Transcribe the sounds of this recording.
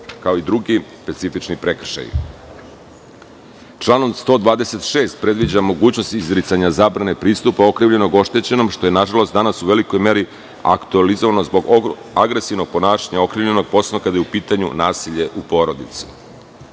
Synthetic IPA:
kaoid̪ɾuɡispe̞t̪sifit͡ʃnipɾe̞kr̩ʃa̰j | t͡ʃlˠaːno̞mst̪o̞ːd̪ʋaːd̪e̞se̞t̪ʃe̞ːst̪̚pɾe̞d̪ʋid͡ʑamo̞ɡuːt͡ɕno̞st̪izɾit̪saɲazaːbɾanepɾiːst̪upao̞kɾiʋʎe̞no̞ɡo̞ʃt̪e̞t͡ɕe̞no̞mʃt̪o̞je̞naʒalˠo̞st̪d̪anasuʋe̞liko̞jme̞ɾi | a̰kt̪ualizo̞ʋano̞zbo̞ɡ | aɡɾe̞siʋno̞ɡ̚po̞naːʃaɲaokɾiːʋʎe̞no̞ɡ̚po̞senokad̪ajupiːt̪aɲṵnaːsiʎe̞ʔupo̞ɾo̞d̪it̪si̥

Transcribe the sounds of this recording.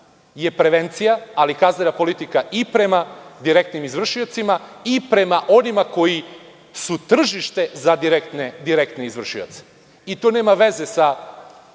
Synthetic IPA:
je̞pɾe̞ʋent̪sijaalikaznenapo̞lit̪ikaʔipɾe̞mad̪iɾe̞kt̪nimizʋr̩ʃiot̪simaipɾe̞maʔo̞nimako̞ji | sut̪r̩ʒiʃt̪e̞zad̪iɾekt̪ned̪iɾekt̪neizvr̩ʃio̰t̪se̥ | it̪one̞ːmaʋe̞ze̞sa

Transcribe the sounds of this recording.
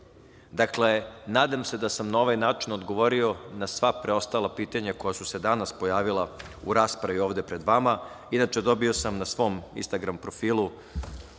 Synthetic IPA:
d̪akle̞naːd̪amse̞d̪asamnao̞ʋajnaːt͡ʂinod̪ɡo̞ʋo̞ɾio̞nasʋapɾeo̞st̪alˠapiːt̪aɲako̞jasuse̞d̪anaspo̞jaːʋilˠa | uɾaːspɾaʋio̞ːʋd̪e̞pɾe̞d̪ʋama | inat͡ʂe̞d̪o̞biosamnasʋo̞mḭnst̪aɡɾampɾo̞fiːlˠu

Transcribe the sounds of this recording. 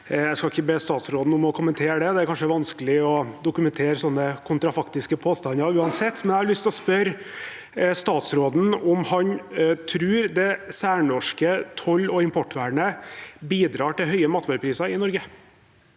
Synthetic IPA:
æɪskɑɪçəbeːst̪ɑːt̪sɾoːd̪n̩ʊmɔkʰʊmənt̪ʰeːɾəd̪ɛd̪ɛæɾkɑnʂəɛɾʋɑnskəlɪɔd̪ʊkʉmɛnt̪ʰeːɾsɔnːəkʰʊnt̪ɾɑfɑkt̪ɪskəpʰoːst̪ɑnɑɾʉːɑnsɛt̪ːmɛnæhɑɾɭʏst̪ɔspœɾ | st̪ɑːt̪sɾoːd̪n̩ɔmhɑnt̪ʰɾʉːɾd̪ɛsæːɳɔʂkət̪ʰɔlːɔɪmpʰɔʈːʋæːɳəbiːd̪ɾɑːʈɪlɦœʏəmɑːt̪ʰʋɑːɾəpʰɾiːsɑɾɪnɔɾɡə

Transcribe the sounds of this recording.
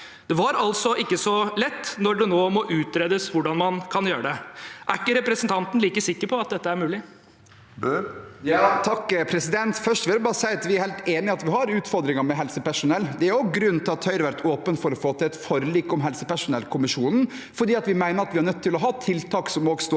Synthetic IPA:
d̪ɛʋɑɾɑlsɔʔɪkːəsɔlɛt̪ːnɔɖɛnoːmɔʔʉːt̪ɾeːd̪əsʋʊɖɑnmɑnkʰɑnjøːɾəɖ̪ɛʔæɪkːəɾɛpɾɛsənt̪ʰɑnt̪n̩liːkəsɪkːəɾpʰɔɑt̪̚d̪ɛt̪ːəæɾmʉːlɪ | jɑːt̪ʰɑkːpʰɾɛsɪd̪ɛnt̪fœʂʈʋɪld̪ɛbɑːɾəsæɪɑt̪ʋɪæɾhæɪlt̪eːnɪɑt̪ʋɪhɑɾʉːt̪fɔɾd̪ɾɪŋəmɛɦɛlsəpæʂʊnɛlːd̪ɛæɾjʊɡɾʉnːt̪ʰɪlɑt̪ʰːœʏɾʋæɾt̪ʰoːpənfɔɾɔfoːt̪ʰɪlɛt̪fɔɾliːkːɔmɦɛlsəpæʂʊnɛlkʰʊmɪʂuːnn̩ | fɔɖiːɑt̪ʋɪmæɪnəɾɑt̪ʋɪhɑɳnœt̪ʰːɪlɔɦɑːt̪ʰɪlt̪ʰɑːksɔmɔɡst̪oː

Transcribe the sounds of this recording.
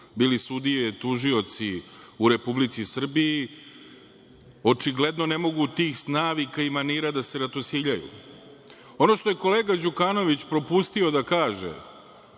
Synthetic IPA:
biːlisud̪ijet̪uʒio̞t̪siuɾe̞publit̪sisr̩bii | o̞t͡ʃiɡle̞d̪no̞ne̞mo̞ɡut̪iːxsnaːʋikaimaniːɾad̪ase̞ɾat̪osiʎajṵ | o̞no̞ʃt̪o̞je̞ko̞le̞ːɡad͡ʑukaːno̞ʋit͡ɕpɾo̞pust̪iod̪akaːʒḛ

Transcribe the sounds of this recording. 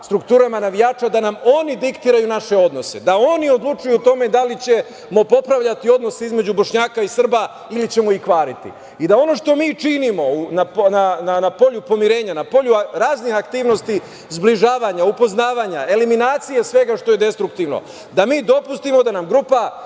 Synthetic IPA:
st̪ɾukt̪uːɾamanaʋijaːt͡ʃad̪anamo̞nid̪ikt̪iɾajunaʃe̞o̞d̪no̞se̞d̪aonio̞d̪lˠut͡ʃujut̪o̞me̞d̪alit͡ɕe̞ | mo̞po̞pɾaʋʎat̪io̞d̪no̞se̞izme̞d͡ʑubo̞ʃɲaːkaisr̩ba | ilit͡ɕe̞moikʋaːɾit̪ḭ | id̪ao̞no̞ʃt̪o̞miːt͡ʃinimo̞unapnananapo̞ʎupo̞miɾe̞ːɲanapo̞ʎuɾaːznixakt̪iːʋno̞st̪i | zbliʒaːʋaɲaupo̞znaːʋaɲae̞liminaːt̪sije̞sʋe̞ɡaʃt̪o̞je̞d̪e̞st̪ɾukt̪iʋno̞̰ | d̪amiːd̪o̞pust̪imo̞d̪anamɡɾupa

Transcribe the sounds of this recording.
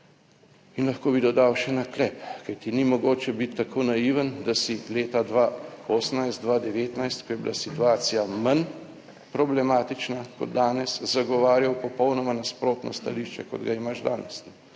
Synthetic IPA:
inlɐxkoːbid̪ɔd̪awʃɛnaklɛpkajt̪inimɔɡoːt͡ʃɛbit̪ːakʰoːnajiʋənd̪asileːt̪ad̪ʋaoːsənajst̪d̪ʋad̪ɛʋeːt̪najst̪kɔjɛbḭlasit̪uaːsijaman | pɾɔblɛmaːt̪it͡ʃnakɔ̰d̪d̪aːnɛszaɡɔʋaːɾjawpɔpɔwnɔmanaspɾoːt̪nɔ̰st̪aliːʃt͡ʃɛ̰kɔ̰d̪ɡaimaʒd̪aːnɛsnɛ

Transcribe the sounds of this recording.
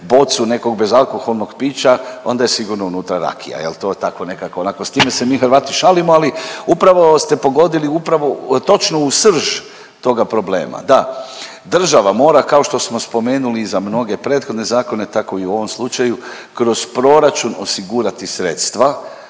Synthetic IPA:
bo̞t̪sune̞ko̞ɡbe̞zalˠko̞xo̞lˠno̞ɡpiːt͡ʃao̞nd̪aje̞siɡuɾnounuːt̪ɾaɾa̰kʰḭja̰jelt̪o̞et̪ako̞ne̞kakoːnakost̪iːmese̞miːxəɾʋaːt̪iʃalimoaliupɾaʋo̞st̪e̞po̞ɡo̞d̪iliupɾaʋo̞t̪o̞t͡ʃnousr̩ʒ | t̪o̞ɡapɾo̞ble̞̰ːma̰d̪a | d̪r̩ʒaʋamo̞ːɾakaoʃt̪o̞smo̞spo̞me̞ːnulizamno̞ɡe̞pɾe̞ːt̪xo̞d̪ne̞zaːko̞ne̞t̪ako̞iuo̞ʋo̞mslˠut͡ʃaju | kɾo̞z̥pɾo̞ɾat͡ʃuno̞̰siɡuɾat̪isɾe̞t̪st̪ʋa

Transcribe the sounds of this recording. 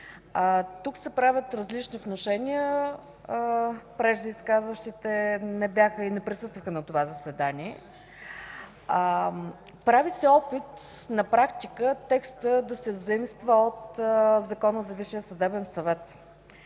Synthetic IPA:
t̪uksɛpɾavʲət̪ɾɐzlit͡ʃniot̪noʃɛnijə | pɾɛʒd̪iiskazvəʃt̪it̪ɛnɛbʲjaxəinɛpɾisɤst̪vəxənɐt̪ovazɐsɛd̪aniɛ | pɾavisɛɔpit̪ | nɐpɾakt̪ikət̪ɛkst̪əd̪ɐsɛvzɐimst̪vəot̪zɐkɔnəzɐviʃijəsəd̪ɛbɛnsɐvɛt̪

